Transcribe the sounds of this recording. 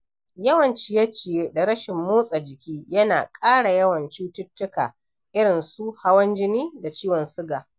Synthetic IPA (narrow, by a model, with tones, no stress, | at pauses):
jɐ˦wɐ˨nt͡ʃi˦jɐ˦t͡ʃɪ˨je˦da˨ɽɐ˦ʃɪ˨mːoː˦sʼa˨d͡ʒɪ˨kʲiː˦jɐ˦naː˨kʼaː˦ɽa˨jɐ˦wɐ˨nt͡ʃuː˦tʊ˦tːʊ˦ka̰ː˨ | ʔɪ˦ɽɪ˨nsu˦ha˦wɐ˦nd͡ʒɪ˦niː˦da˨t͡ʃiː˦wɔ˨nsʊ˦ɡaː˨